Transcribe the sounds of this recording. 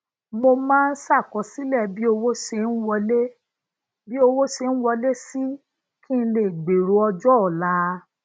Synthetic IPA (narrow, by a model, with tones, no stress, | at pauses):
mo˧mãː˦n̩˦sa˦˨kɔ˨˦si˦lɛ˦˨bi˦o˧wo˦ʃe˧n̩˦wɔ˧le˦ | bi˦o˧wo˦ʃe˧n̩˦wɔ˧le˦si˦ | kĩ˦˧le˨ɡ͡be˨ɾo˨˧˦ɔ˧d͡ʒɔ˦ɔ˨la˨˦